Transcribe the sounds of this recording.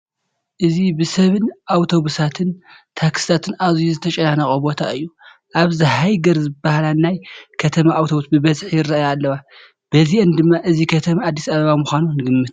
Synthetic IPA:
ʔɨzibɨsɐβɨnʔawt̪ʰo̞βusat̪ʰɨnt̪ʰakst̪ʰat̪ʰɨnʔazujuzɨt̪ʰɐt͡ʃʼɐnanɐkʼɐbo̞t̪ʰa̰ɨjːu | ʔaβzɨɦajɡɐɾzɨbːahalanajkʰɐt̪ʰɐmaʔawt̪ʰo̞βusbɨβɐzħjɪrːaʔjaːlːɐwa | b̥ɐziʔɨnd̪ɨmːaʔɨzikʰɐt̪ʰɐmaːd̪ːi̥saβɐβamuxʷanunɨɡɨmːɨt̪̚

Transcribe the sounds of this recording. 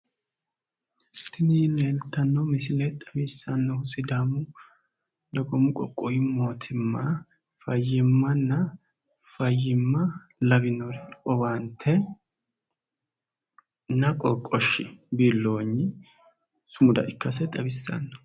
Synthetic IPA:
tɪniːneːlt̪ːɐnːɔmɪsɪlɛt̪ʼɐbisːɐnːɔʊsɪd̪aːmʊ | d̪ɐɡɔmʊkʼɔkʼːɔjɪmoːt̪ʰɪmːɐ | fɐjːɪmːɐnːɐ | fɐjːɪmːɐ | lɐbɪnɔɾʼɔbant̪ʰːɛ | nɐkʼɔkʼɔʃɪbiːlːo̞ːɲːɪ | sʊmʊd̪ɐ̰ʔɪkːɐsɛt̪ʼɐbɪsːɐ̰nːɔ̥

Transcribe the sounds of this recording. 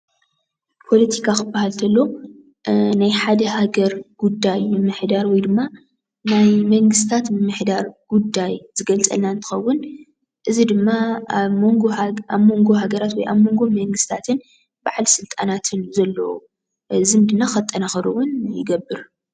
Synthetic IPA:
pʰo̞lɐt̪ʰikʰakɨbːahalt̪ʰɐlːo | najħad̪ɐhaɡɐɾɡ̥ud̪ːajmɨmːɨħd̪aɾwɔjd̪ɨmːa | najmɐŋɡɨst̪ʰat̪mɨmɨħd̪aɾɡ̥ud̪ːajzɨɡɐlt͡sʼɐ̰lnaɨnt̪ʰɨ̥xɐwːʊn | ʔɨzid̪ɨmːamoŋɡoaβmo̞ŋɡo̞ɦaɡɐɾat̪wɔjʔa̰βmo̞ŋɡo̞mɐŋɡɨst̪ʰat̪ʰɨn | baʕlsɨlt̪ʼa̰nat̪ʰɨnzɐlːɐ̰u | zɨmd̪ɨnːaxɐt̪ʼːɐnaxɐɾuwʊnjɪ̰ɡɐbːɨɾ

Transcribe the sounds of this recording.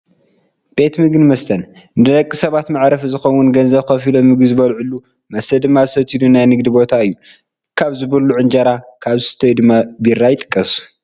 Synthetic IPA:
b̥e̞t̪mɨɡɨnmɐst̪ʰɐn | nɨd̪ɨlɐkʼːisɐβat̪maʕɾɐfɨzɨxɐwːʊnɡɐnzɐβxɐfilomːɨɡɨzɨβɐlʕulːu | mɐsɐd̪ɨmːazɨsɐt̪ʰid̪unajnɨɡd̪ɨbo̞t̪ʰaɨjːu | kʰaβzɨβɐlːuʕɨnd͡ʒɐɾakʰaβzɨsɨ̥t̪ʰɐjd̪ɨmːabiɾːajɪt̪ʼɨ̥kʼːɐs

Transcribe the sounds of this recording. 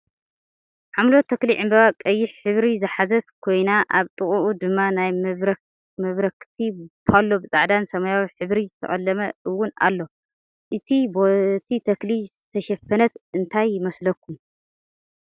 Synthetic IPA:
ħamlo̞t̪ʰːɐkliʕɨmbɐβakʼɐjːɪħħɨβɾizɨħazɐt̪kʰo̞jnaʔaβt̪ʼɨχʼuʔud̪ɨmːanaj | mɐβɾɐkt̪ʰipʰalːo̞bɨt͡sʼaʕd̪ansɐmajawiħɨβɾizɨt̪ʰɐ̰χʼɐ̰lːɐmɐʔɨwːʊna̰lːo̞ | ʔɨt̪ʰibot̪ʰit̪ʰɐklizɨt̪ʰɐʃɐfɐnɐt̪ɨnt̪ʰajːɪmɐslɐkʰːum

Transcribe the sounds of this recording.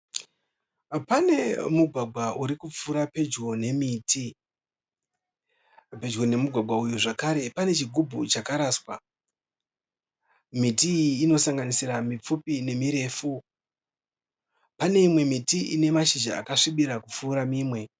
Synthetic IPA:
pane̞muɡʱwaɡʱwaʔuɾikup͡fuːɾape̞d͡ʒɡo̞ne̞miːtʰi | pe̞d͡ʒɡo̞ne̞muɡʱwaɡʱwaujuʐakaɾe̞pane̞t͡ʃiɡʱubʱut͡ʃakaɾaːswa̰ | mitiːno̞saŋɡanisiramip͡fupine̞miɾe̞ːfu | pane̞imwe̞mitiʔine̞maʃid͡ʒa̰ːkaʂiɓiɾakup͡fuːɾamiːmwe̞

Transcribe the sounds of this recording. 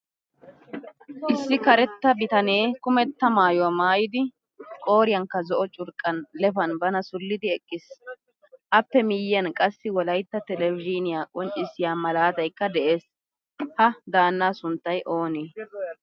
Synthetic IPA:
ʔɪsːɪkɐɾɛt̪ːɐbɪt̪ɐneːkʊmɛt̪ːɐmaːjɔwɐmaːjɪd̪ɪ | kʼo̞ːɾɪjɐŋkːɐzɔʔɔt͡ʃʼʊɾkʼːɐnlɛfɐnbɐnɐsʊlːɪd̪ɪɛkʼːɪs | ʔɐpːɛmɪjːɐnkʼɐsːɪwɔlɐjt̪ːɐt̪ɛlɛvɪd͡ʒɪnɪjaːkʼɔnt͡ʃʼːɪsːɪjaːmɐlaːt̪ɐjkːɐd̪ɛʔe̞ːs | hɐd̪aːnːaːsʊnt̪ːɐjʔo̞ːneː

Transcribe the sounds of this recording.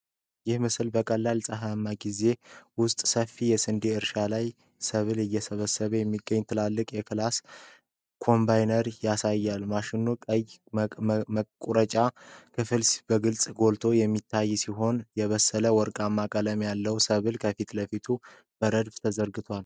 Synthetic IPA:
jɪhmɨsɨlbəkʼəlːajlsʼəɦamːaɡize̞wʊst̪ʼsəfːijɛsɨnd̪eɨɾʃalaj | səβɨlɨjːɛsəβəsːəβəjɛmːiɡːəɲːt̪ʰɨlalːɨkʼjɛkʰɨlas | kʰo̞mbajnəɾjasajːalmaʃɪnːukʼəj | kʼuɾət͡ʃʼakʰɨfɨlsbəɡɨlsʼɡo̞lt̪ʰo̞jɛmːit̪ʰːajːsiɦo̞njɛβəsːələwɔɾkʼamːakʼələmjalːəwsəβɨlkʰəfit̪ləfit̪ʰu | b̥əɾəd̪bt̪ʰəzəɾɡɨt̪ʰal

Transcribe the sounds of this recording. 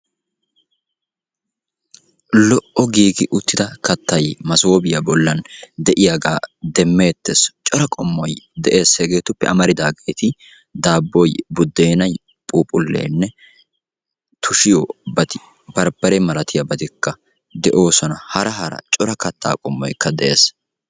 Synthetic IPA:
lɔʔɔɡiːɡɪʔʊt̪ːɪd̪ɐkɐt̪ːɐjmɐsoːbɪjɐbɔlːɐnd̪ɛʔɪjaɡaːd̪ɛmːe̞ːt̪ːest͡ʃʼɔɾɐkʼɔmːɔjd̪ɛʔe̞ːseɡe̞ːt̪ʊpːɛ̰ɐmɐɾɪd̪aːɡe̞ːt̪ɪ | d̪aːbːɔjbʊd̪ːe̞ːnɐj | pʼuːpʼʊlːḛːnːɛ | t̪ʰʊʃɪjɔbɐt̪ɪ | bɐɾbɐɾɛmɐlɐt̪ɪjɐbɐt̪ɪkːɐ | d̪ɛʔo̞ːsɔnɐhɐɾɐɦɐɾɐ̰t͡ʃʼɔɾɐkɐt̪ʰːa̰ːkʼɔmːɔ̰jkːɐd̪ɛʔe̞̰ːs

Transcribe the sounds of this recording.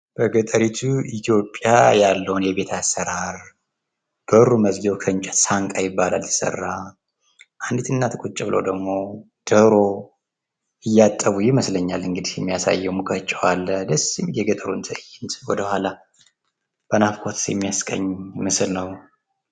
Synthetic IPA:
b̥əɡət̪ʼəɾit̪ʰuit̪ʰjo̞pʼːja̰jalːəwunjɛβe̞t̪ʰasːəɾaɾ | ɡ̥əɾuməzɡɛwkʰəɨnt͡ʃʼɛt̪saŋkʼajɪbːalaljɛsə̰rːa | ʔand̪it̪ɨnːat̪ʰɨkʼut͡ʃʼːɪβɨləwd̪əɡmo̞ | d̪̥əɾo̞ | ɨjːat̪ʼːəβujɪməsləɲːalɨŋɡɨd̪ihjɛmːijasa̰jːɛmukʰʼət͡ʃʼːɛwalːəd̪əsimjɛɡət̪ʼəɾunt̪ʰɨjːɪnt̪wɔd̪əhala | b̥ənafkʼot̪sjɛ̰mːijaskʼə̰ɲːmɨsɨlnəw

